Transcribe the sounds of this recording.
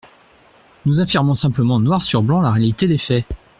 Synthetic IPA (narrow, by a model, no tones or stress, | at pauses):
nuzafiʁmɔ̃sɛ̃pləmɑ̃nwaʁsyʁblɑ̃laʁealit̪ed̪efɛ